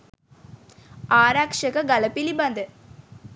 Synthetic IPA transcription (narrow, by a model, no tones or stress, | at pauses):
aːɾaːkʂɐkɐɡɐlɐpːilibɐnd̪ɨ